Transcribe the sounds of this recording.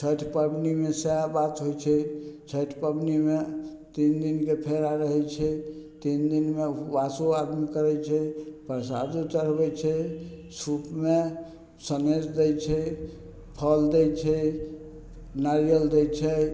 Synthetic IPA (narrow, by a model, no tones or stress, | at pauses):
t͡ʃʰəʈʰpəbnimesabat̪ɦojt͡ʃʰɛt͡ʃʰəʈʰpəbnime | t̪ind̪inkepʰeɾaɾəɦɛt͡ʃʰɛt̪ind̪inmebasuad̪mikəɾɛt͡ʃʰɛpəɾsa̰d͡ʒ̪ut͡ʃəɾbɛt͡ʃʰɛ | supme | səned͡ʒd̪ɛjt͡ʃʰɛ | pʰəld̪ɛt͡ʃʰɛ | naɾijəld̪ɛjt͡ʃʰɛ